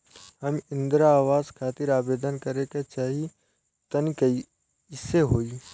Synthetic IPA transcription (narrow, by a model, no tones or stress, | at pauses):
hɐmɪ̃nd̪ɾaːʋaːzkʰaːt̪ɪɾaːbeːd̪ənkɐɾeket͡ʃaːɦi | t̪ɐnkɐi | ɪsːeɦoːi